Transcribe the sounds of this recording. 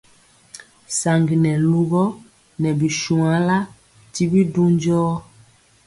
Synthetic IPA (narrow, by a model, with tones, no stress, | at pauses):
sa˨ŋɡi˨nɛ˨lu˦ɣɔ˦ | nɛ˨bi˨ʃu˨a˨˦la˦ | ti˦bi˦du˦ɲd͡ʒɔː˦